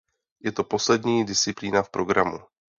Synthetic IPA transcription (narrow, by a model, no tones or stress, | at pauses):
jɛt̪o̞po̞slɛdɲiːdɪst͡sɪpliːnafpɾo̞ɡɾamu